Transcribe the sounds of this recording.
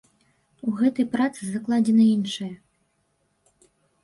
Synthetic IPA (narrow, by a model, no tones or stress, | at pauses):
uɣɛt̪ɐjpɾat̪sɨzɐklˠad͡zʲɛnɐinʂɐjɐ